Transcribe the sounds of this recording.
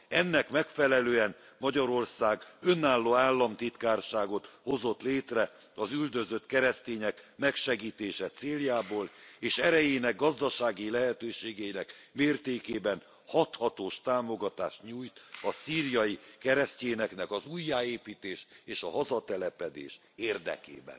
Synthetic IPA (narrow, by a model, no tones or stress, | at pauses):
ɛnːɛkmɛkfɛlɛløːɛn | mɒɟɒɾo̞rsaːɡønːaːlːoːaːlːɒmt̪it̪kaːrʃaːɡo̞t̪ho̞zo̞t̪leːt̪rɛ | ɒzyld̪ø̞zøt̪kɛɾɛst̪eːɲɛkmɛkʃɛɡiːt̪eːʃɛt̪seːljaːboːleːʃɛɾɛjeːnɛɡːɒzd̪ɒʃaːɡilɛɦɛt̪øːʃeːɡɛjinɛkmeːrt̪eːkeːbɛn | hɒt̪hɒt̪oːʃt̪aːmo̞ɡɒt̪aːʃt̪ɲuːjt̪ɒsiːrjɒjikɛɾɛstceːnɛknɛkɒzujːaːeːpiːt̪eːʃeːʃɒɦɒzɒt̪ɛlɛpɛd̪ḛːʃ | eːrd̪ɛ̰kḛːbɛ̰n